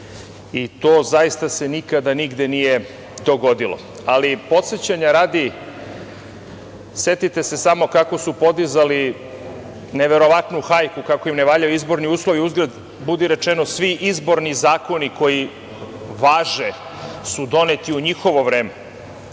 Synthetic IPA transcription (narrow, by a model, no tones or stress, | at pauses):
it̪oːzaist̪ase̞nikad̪aniɡd̪enije̞ | d̪o̞ɡo̞d̪ilˠo̰ | alipo̞t̪set͡ɕaɲaɾaːd̪i | se̞t̪it̪e̞se̞samo̞kako̞supo̞d̪izali | neʋe̞ɾo̞ʋat̪nuxajkukako̞imne̞ʋaːʎajuizbo̞ɾniuːslˠo̞ʋiuzɡɾad̪ | bud̪iɾe̞t͡ʃeno̞sʋiʔizbo̞ɾnizaːko̞niko̞ji | ʋaːʒe | sud̪o̞net̪iuɲixo̞ʋo̞ʋɾeːme